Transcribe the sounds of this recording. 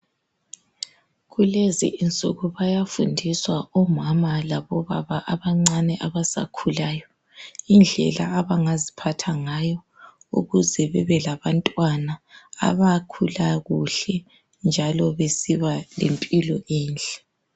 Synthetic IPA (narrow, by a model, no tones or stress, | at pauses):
ɣulezḭʔint͡sʼuɣuβajafundʱiswaɔmamalaβɔβa̰βaʔaβaŋ͡ǀanɛʔaβasa̰kʰulaːjɔ | ind͡ɮʱɛ̰laːβaŋazipʰatʰaŋajɔ | ṵɣuzɛβɛβɛlaβantʼwana̰ːβakʰulaɣuɬɛ | nd͡ʒʱalɔβesiβalḛmpʼilɔʔiːnd͡ɮɛ